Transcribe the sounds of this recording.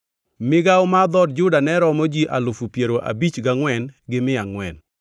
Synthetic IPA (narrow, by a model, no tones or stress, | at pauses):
mɪɡawmad̪ɔdd͡ʒʊdanɛɾɔmod͡ʒiʔalʊfupjeɾoʔa̰bit͡ʃɡaŋwɛnɡɪmɪaŋwɛn